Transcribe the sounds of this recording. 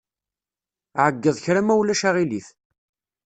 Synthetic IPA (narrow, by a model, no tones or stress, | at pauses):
ʕəɡːəðˤçɾæmæwlæʃaʁiliθ